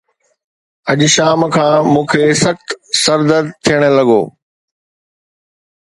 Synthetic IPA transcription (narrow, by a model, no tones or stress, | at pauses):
ɐʄʃaːmkʰãːmũːkʰeːsɐxt̪sɐɾd̪əɾt̪ʰijəɽ̃lɐɡo̰ː